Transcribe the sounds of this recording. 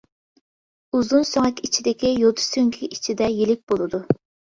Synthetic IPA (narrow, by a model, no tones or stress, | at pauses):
uzunsøŋɛk̪ʲit͡ʃʰid̪ɪkʲijot̪ʰu̥søŋkʲʰiit͡ʃʰid̪ɛjilɪk̚ʲbolˠɨd̪u